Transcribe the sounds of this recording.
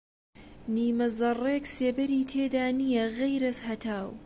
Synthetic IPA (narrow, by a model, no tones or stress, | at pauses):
niːmɐzɐrˤeːkseːbɐɾiːt̪ʰeːd̪aːnijɐɣejɾɐshɐt̪ʰaːw